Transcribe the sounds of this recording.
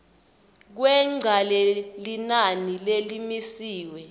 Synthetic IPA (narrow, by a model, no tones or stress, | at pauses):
k̬wɛŋ͡ǀʱalɛlinanilelimisiːwɛ